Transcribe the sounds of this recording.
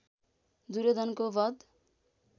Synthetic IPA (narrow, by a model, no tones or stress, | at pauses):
d̪uɾed̪ʌnkobʌd̪